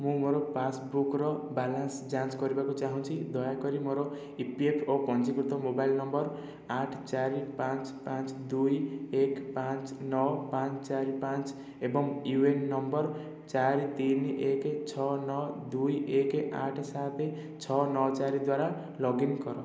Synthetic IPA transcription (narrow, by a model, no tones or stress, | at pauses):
mũmoɾopasbukrʌbalansd͡zãnsɡʌɾibakot͡saɦũnt͡sʰid̪ʌjakʌɾimoɾo | ipiepʰopʌnt͡sikut̪omobailnʌmbʌr | aʈʰt͡saɾipãnt͡spãt͡sd̪ujekpãt͡snʌwpãnt͡st͡saɾipãnt͡s | ebʌŋuwenːʌmbʌr | t͡saɾit̪inekt͡sʰʌnʌd̪ujekeʔa̰ʈʰsat̪e | t͡sʰʌnʌt͡saɾid̪waɾa | lʌɡinkʌɾõ